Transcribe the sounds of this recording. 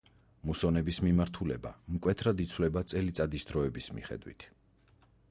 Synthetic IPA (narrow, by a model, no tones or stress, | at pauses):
musɔnɛbismimaɾt̪ʰulɛba̰mkʼwɛt̪ʰɾad̪it̪sʰwlɛbat̪sʼɛlit̪sʼad̪isd̪ɾɔɛbismḭχɛ̰d̪wḭt̪ʰ